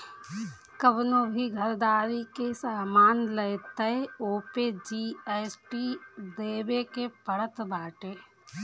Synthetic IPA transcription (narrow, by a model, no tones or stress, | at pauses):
kəbnoːbʱiɡʱəɾd̪aːɾikesaːmaːnlət̪əoːped͡ʒiːeːsʈid̪eːbekepəɽət̪baːʈeː